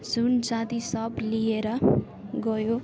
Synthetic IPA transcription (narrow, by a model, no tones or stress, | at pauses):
d͡zund͡zãd̪isʌblijeɾʌ | ɡʌjo